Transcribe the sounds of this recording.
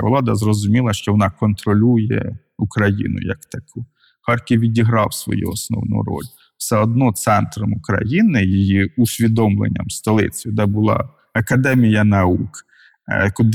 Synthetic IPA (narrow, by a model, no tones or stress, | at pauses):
ʋlˠɑd̪ɐzrɔzʊmʲilˠɐʃt͡ʃɔʋɔnɑkɔnt̪ɾɔlʲujɛ̰ | ukɾɐjḭnʊ̰jɐkt̪ɐku | xɑrkiʋʲidʲiɦɾɑwsʋɔ̰jṵɔsnɔ̰wnṵɾɔ̰lʲ | w̥sɛɔd̪nɔt̪sɛnt̪ɾɔmʊkɾɐ̰jinɪjɪjiʊsʲʋʲid̪ɔmlˠḛnʲːɐ̰mst̪ɔlˠɪ̰t͡sʲjʊd̪ɛbʊlˠɑ̰ | ɐkɐd̪ɛmʲijɐnɐuk | kʊd̪